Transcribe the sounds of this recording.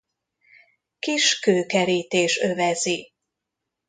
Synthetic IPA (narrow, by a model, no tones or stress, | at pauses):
kiʃkøːkɛɾiːt̪eːʃø̞vɛzi